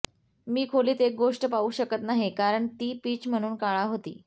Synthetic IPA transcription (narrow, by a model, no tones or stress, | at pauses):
miːkʰoliːt̪ek̚ɡoʂʈəpauːɕəkət̪naɦekaɾəɳt̪iːpiːt͡ɕm̤əɽ̃uːnkaɭaɦot̪ḭː